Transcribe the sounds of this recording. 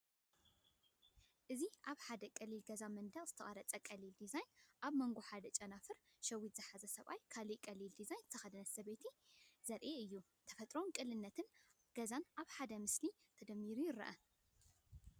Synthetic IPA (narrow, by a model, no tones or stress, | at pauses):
ʔɨziʔaβħad̪ɐkʼɐlːilɡɐzamɐnd̪ɐkʼz̥ɨt̪ʰɐχʼɐɾɐt͡sʼɐkʼɐlːild̪izajnʔaβmɐŋɡoħad̪ɐt͡ʃʼɐnafɨɾ | ʃɐwːit̪z̥ɨħazɐsɐβʔa̰jkʰalikʼɐlild̪izajnzt̪ʰɐxɐd̪ɨnɐt̪sɐβet̪ʰizɐɾʔeɨjːu | t̪ʰɐ̥fɐt̪ʼɾo̞nkʼɨlːɨnːɐt̪ʰɨn | ɡ̥ɐzanʔaβħad̪ɐmɨsli | t̪ʰɐd̪ɐmːiɾujɪɾɐ̰ʔɐ